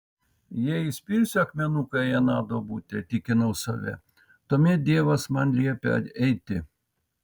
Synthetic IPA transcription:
jɛɪsʲpʲiːɾʲsʲʊɐkmʲɛnuːkɐɛnɑːd̪oːbuːt̪ʲɛt̪ʲɪkʲɪnɐʊsɑ̰ʋʲɛ̰ | t̪oːmʲɛd̪ʲiɛʋɐsmɐnlʲiɛpʲɛ̰ɛɪt̪ʲɪ

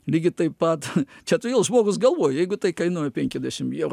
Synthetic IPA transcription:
lʲiːɡʲɪt̪ɐɪppɐt̪t͡ʃʲɛt̪ʊiːlˠʒmoːɡʊsɡɐlˠʋoːjjɛɪɡʊt̪ɐɪkɐɪnuɔjʊpʲɛŋʲkʲɛzʲdʲæʃʲɪmɛr

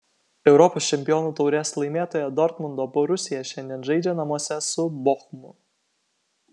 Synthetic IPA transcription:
ɛʊɾɔpoːsʲt͡ʃʲɛmʲpʲɪjɔːnuːt̪ɐʊɾʲeːslˠɐɪmʲeːt̪oːjɛd̪ɔɾt̪mʊnd̪ɔːpɔɾʊsʲɪjɛʃʲɛnʲd̪ʲiɛnʒɐɪd͡ʒʲenɐmuɔsʲɛsʊbɔxmʊ

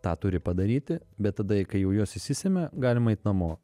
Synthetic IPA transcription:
t̪ɑːt̪ʊɾʲɪpɐd̪ɐɾʲiːt̪ʲɪbʲɛt̪ːɐd̪ɐkɐɪjɛʊjoːsɪʃsʲɪsʲemʲɛɡɑːlʲɪmɐɛɪt̪ʲnɐmoː

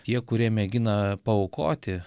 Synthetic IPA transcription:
t̪ʲiɛkʊɾʲiɛmʲɛɡʲɪnɐpɐʊko̰ːt̪ʲɪ

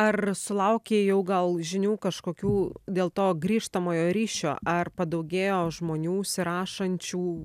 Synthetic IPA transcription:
ɐrsʊlˠɐʊkʲeːjɛʊɡɐlˠʒʲɪnʲuːkɐʃkoːkʲuːd̪ʲeːlˠt̪oːɡɾʲiːʃt̪ɐmoːjoːɾʲiːʃʲoːʔɐrpɐd̪ɐʊɡʲeːjoːʒmoːnʲuːsʲɪɾɑːʃɐnʲt͡ʃʲuː

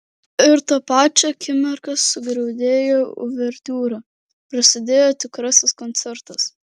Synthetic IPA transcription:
ɪɾt̪ɐpɑːt͡ʃʲɛkʲɪmʲɛɾkɐsːʊɡɾɛʊd̪ʲeːjoːʊ̰ʋʲɛɾʲt̪ʲuːɾɐ | pɾɐsʲɪd̪ʲeːjoːt̪ʲɪkɾɐsʲɪskɔnʲt̪sʲɛɾt̪ɐs

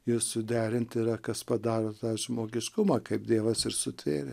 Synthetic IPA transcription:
jɪssʊdʲæːɾʲɪnʲt̪ʲɪɾɐkɐspɐd̪ɑːɾoːt̪ɑːʒmoːɡʲɪʃkʊmɑːkɐɪp̚d̪ʲiɛʋɐsɪrsʊt̪ʲʋʲeːrʲɪ

